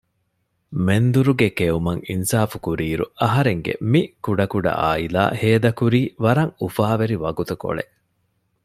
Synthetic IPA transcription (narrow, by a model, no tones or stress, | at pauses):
mend̪uɾuɡekeumɐŋinsaːfukuɾiːɾṵɐɦɐɾeŋɡḛmikuɖɐkuɖɐ̰ʔa̰ːila̰ːheːd̪ɐkuɾiːʋɐɾɐŋufaːʋeɾiʋɐɡut̪uko̰ɭḛ